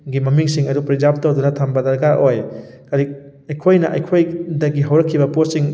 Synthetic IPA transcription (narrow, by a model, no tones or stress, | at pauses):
ɡimɐmiŋsiŋɐdupɾid͡ʒap̚tɐwdunɐtʰambɐdɐɾɡaʔoj | kaɾi | ɐjkʰojnɐʔɐ̰jkʰojdɐɡiɦɐwɾɐkʰːibɐposiŋ